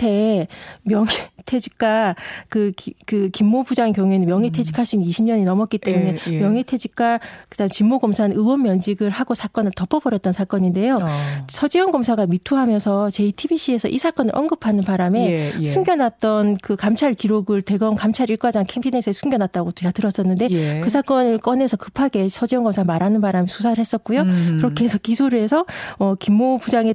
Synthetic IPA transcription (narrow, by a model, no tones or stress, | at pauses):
tʰe̞mjʌŋetʰe̞d͡ʑik̚k͈akɯkɯkimːobud͡ʑaŋkjʌŋuenɯnmjʌŋɦetʰe̞d͡ʑikʰaɭɕ͈iniiɕʰimɲʌɲinʌmʌt̚k͈it͈e̞mune̞mjʌŋitʰe̞d͡ʑik̚k͈akɯdamt͡ɕimːoɡʌmsʰanɯwʌnmjʌnd͡ʑiɡɯɭhaɡosʰak͈ʌnɯɭtʌpʰʌbʌɾjʌt̚t͈ʌnsʰak͈ʌɲinde̞josʰʌd͡ʑiwʌnɡʌmsʰaɡamitʰuɦamjʌnsʰʌt͡ɕe̞itʰibiɕ͈ie̞sʰʌʔisʰak͈ʌnɯɾʔʌnɡɯpʰanɯnpaɾame̞sʰuŋɡjʌnɦat̚t͈ʌnkɯkamt͡ɕʰaɭkiɾoɡɯɭte̞ɡʌnkamt͡ɕʰaɾiɭk͈wad͡ʑaŋkʰempʰinesʰesʰuŋɡjʌnɦat̚t͈aɡot͡ɕeɡatɯɾʌs͈ʌnːɯnde̞kɯsʰak͈ʌnɯɭk͈ʌne̞sʰʌkɯ̥pʰaɡe̞sʰʌd͡ʑiwʌŋɡʌmsʰamaɾɦanɯnpaɾamesʰusʰaɾɯɭhe̞s͈ʌt̚k͈ujokɯɾʌkʰeesʰʌkisʰuɾe̞sʰʌʌkimːopud͡ʑaŋe